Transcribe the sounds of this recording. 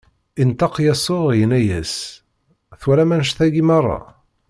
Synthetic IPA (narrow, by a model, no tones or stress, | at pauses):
int̪ɑqjæsˤoʁjənæjæs | θwæɾæmænʃθæɡimɑrˤːɑ̰